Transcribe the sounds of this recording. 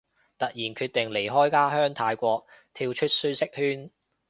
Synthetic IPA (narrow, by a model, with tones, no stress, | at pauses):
t̪ɐ˨k̚jiː˨˩nkʰyː˧t̚t̪ɪ˨˩ŋle˨˩jɦɔː˥jkaː˥ɦœː˥ŋt̪ʰaː˧jkʷɔː˧k̚t̪ʰiː˧wt͡ʃʰɵ˥t̚syː˥sɪ˥k̚hyː˥n